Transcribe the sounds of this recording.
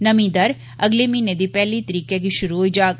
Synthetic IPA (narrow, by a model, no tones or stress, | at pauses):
nɐmĩd̪ɐɾ | ɐɡlemiːned̪ipɛɦlit̪əɾiːkek̬iʃʊɾuid͡ʒaːk